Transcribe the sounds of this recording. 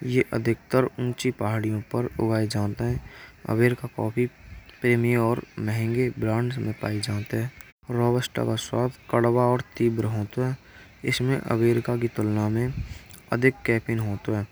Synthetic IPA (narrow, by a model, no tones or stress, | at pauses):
jeʔə̰d̪ʱɪk̚t̪əɾʊ̃nt͡ʃipaɦaːɽijõpəɾʊ̰ɡaːed͡ʒaːt̪eɦɛ̃ːə̰ʋeːɾkakɔːpʰipɾeːmijeɔːɾməɦɛ̃ŋɡebɾãːɳɖsmẽpa̰ːid͡ʒaːt̪eɦɛ̃ː | ɾɔːbəsʈa̰kaswaːt̪kəɽwaɔːɾt̪iːbɾɦoːt̪oɦɛː | ɪ̰smẽʔə̰ʋeːɾkak̬it̪ʊlnamẽə̰d̪ʱɪkːɛːpʰɪnɦoːt̪oɦɛː